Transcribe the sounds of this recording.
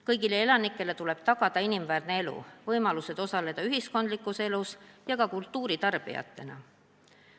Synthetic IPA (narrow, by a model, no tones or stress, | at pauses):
kɤjɡile̞e̞lɑnikːˑe̞le̞t̪ule̞b̥̚t̪ɑɡ̥ɑd̪̥ɑinimvæːrne̞e̞lṵvɤjmɑluse̞d̪̥o̞sɑle̞d̪̥ɑyɦisko̞nd̪likːˑuse̞lusjɑɡɑkult̪ːˑuːɾit̪ɑrb̥ḭjɑ̰t̪ːˑe̞nɑ̰